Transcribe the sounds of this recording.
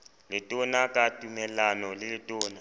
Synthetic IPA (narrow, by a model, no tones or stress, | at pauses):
lɪtʼɔnakʼatʼumɛlanɔlɪlɪtʼɔːna